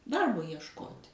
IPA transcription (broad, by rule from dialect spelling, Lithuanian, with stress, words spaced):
ˈdɐrboː iɛʃˈkoːtʲ